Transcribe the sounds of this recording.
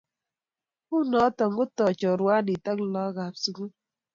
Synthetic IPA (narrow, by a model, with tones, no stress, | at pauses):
ku˦nɔ˨˦tɔ˨ŋ˦ɡʊ˦tɔ˨t͡ʃɔ˨ɾwa˦ni˨ta˦klɔ˦ɣa˨psu˦ku˦